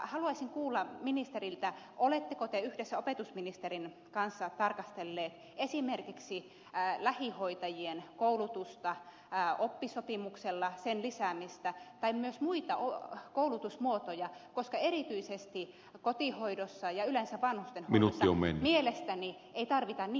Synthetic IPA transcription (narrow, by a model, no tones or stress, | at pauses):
hɑluɑisiŋkuːlːɑminist̪erilt̪æʔolet̪ːekot̪eyhdesːæopet̪usminist̪erin | kɑnsːɑt̪ɑrkɑst̪elːeːt̪ | esimerkiksi | læhihoit̪ɑjienkoulut̪ust̪ɑ | opːisopimukselːɑsenlisæmist̪æt̪ɑimmyøsmuit̪ɑokoulut̪usmuot̪ojɑkoskɑerit̪yisest̪i | kot̪ihoidosːɑjɑylensæʋʋɑnhust̪enhmoinut̪ːio̰mḛnːmielest̪æni | eit̪ɑrʋit̪ɑnnː